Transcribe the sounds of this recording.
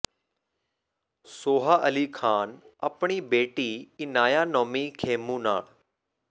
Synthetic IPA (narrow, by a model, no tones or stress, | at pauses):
soːɦaʔɐlikʰaːnɐpɳ̃ibeːʈiɪnaːjaːnoːmikʰeːmũna̰ːɭ